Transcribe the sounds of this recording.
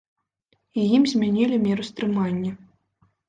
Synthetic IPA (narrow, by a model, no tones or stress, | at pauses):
ijimzʲmʲanʲilʲimʲɛɾust̪ɾɨmanʲːɐ